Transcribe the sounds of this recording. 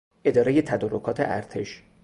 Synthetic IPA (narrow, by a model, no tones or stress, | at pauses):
ʔe̞d̪ɒːɾejet̪ʰæd̪oːɾokʰɒːt̪ʰeʔæɾt̪ʰe̞ʃ